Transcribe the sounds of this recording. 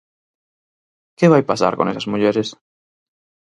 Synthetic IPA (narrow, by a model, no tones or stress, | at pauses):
keβajpasa̰ɾko̰nesazmuʎeɾes